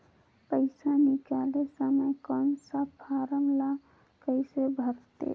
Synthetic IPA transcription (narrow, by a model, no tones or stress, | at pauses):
pəɪsanikalesəməjkɔnsabpʰaɾəmla | kəɪsebʱəɾt̪ḛ